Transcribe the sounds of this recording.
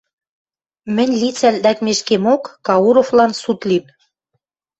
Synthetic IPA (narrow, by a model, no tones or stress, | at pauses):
mɘ̆nʲlit͡sæld̪ækmeʃkemokːɑuɾoflɑnsut̪lim